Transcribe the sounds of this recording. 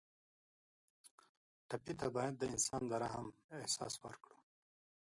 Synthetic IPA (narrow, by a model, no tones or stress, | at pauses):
ʈapit̪abɑjad̪̚ːəɪnsɑnd̪əɾaɦamehsɑ̰swə̰ɾkɽu